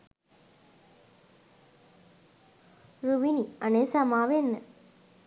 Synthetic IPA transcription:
ɾuʋiniənesamaːʋenːə

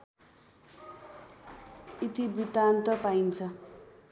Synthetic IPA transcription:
it̪ibrit̪ant̪ʌpaint͡sʰʌ

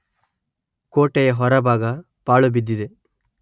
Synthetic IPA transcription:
koːʈejɐɦɔɾɐbʱaːɡɐ | paːɭubid̪ːid̪e

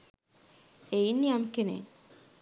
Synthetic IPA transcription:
einːiamkenḛ

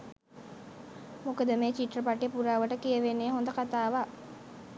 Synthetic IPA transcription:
mukəd̪əmeːt͡ʃiʈrəpaʈjepuɾaːʋəʈəkijəʋenːeːɦond̪əkat̪aːʋa

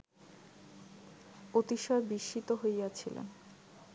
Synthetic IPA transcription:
ot̪iʃɔebiʃit̪oɦojjat͡ɕʰilḛn

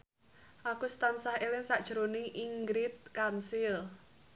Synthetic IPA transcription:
ʔakust̪ansahelɪŋsaʔd̥ʒ̥əɾonɪŋʔiŋɡɾɪt̪̚kansɪl

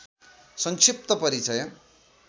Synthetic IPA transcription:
sʌŋksip̚t̪ʌpʌɾit͡sʌjʌ

